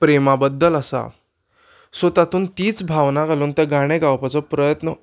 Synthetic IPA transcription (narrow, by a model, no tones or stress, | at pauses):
pɾemabəd̪ːələsa̰ | sot̪at̪uːnt̪iːt͡sbʱaʋnakaluːnt̪ɛɡaɽ̃eɡawpat͡sɔpɾəjət̪nə